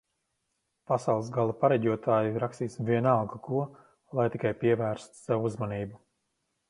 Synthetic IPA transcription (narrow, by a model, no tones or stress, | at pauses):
pasawlˠsɡalˠapaɾɛɟʲuɔt̪ʰaːjiɾakst̪iːsvʲiɛnalɡakuɔ | lˠajt̪ikajpiɛvæːɾst̪sɛvuzmaniːbu